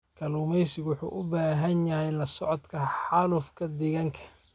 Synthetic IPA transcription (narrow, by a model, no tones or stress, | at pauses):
kʰɐluːmɛjsɪɡwʊħṵːʔʊbaːɦɐnjɐhɛjlɐsɔʕɔd̪kʰɐħɑlʊfkʰɐd̪ɛɣɐŋkʰɐ̥